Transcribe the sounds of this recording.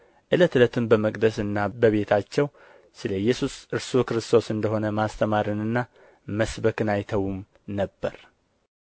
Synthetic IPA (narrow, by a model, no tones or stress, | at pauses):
ʔɨlət̪ɨlət̪ʰɨmbəməkʼd̪əsɨnːabəβe̞t̪ʰat͡ʃːɛw | sɨləjːɛsusʔɨɾsukɾɨst̪ʰo̞sɨnd̪əɦo̞nəmast̪ʰəmaɾɨnɨnːa | məsbəkɨnajt̪ʰəwum | nəbːəɾ